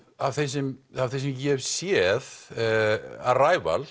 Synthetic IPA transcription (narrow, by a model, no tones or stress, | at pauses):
avθejsɛmavθejs̬ɛmcɛvsjɛð | araːjva̰l